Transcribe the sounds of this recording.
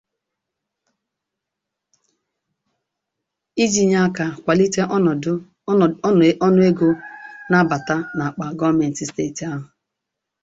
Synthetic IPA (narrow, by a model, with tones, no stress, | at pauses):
i˦d͡ʒi˨ɲa˦ka˨kʷa˨li˦te˦˨˦ | ɔ˦nʊ˦e˦ɡo˦na˦ba˨ta˦na˨a˨k͡pa˨ɡɔ˦me˨n̩˨ti˨ste˦˨ti˨a˦ɦʊ˨